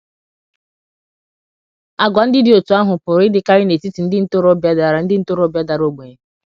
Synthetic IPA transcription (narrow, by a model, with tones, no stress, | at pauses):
a˦ɡʷa˨n̩˦dɪ˦dɪ˨o˨tu˨˦a˦ɦʊ˨pʊ˨ɾɪ˦dɪ˦ka˦ɾɪ˦ne˨ti˦ti˨n̩˦dɪ˦n̩˦to˦ɾo˦bja˦da˨ɾa˨n̩˦dɪ˦n̩˦to˦ɾo˦bja˦da˨ɾo˦ɡ͡be˨ɲ˨